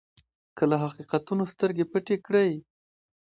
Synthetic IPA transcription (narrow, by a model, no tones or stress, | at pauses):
kəlaɦaqiqat̪unost̪əɾɡepəʈekɽəj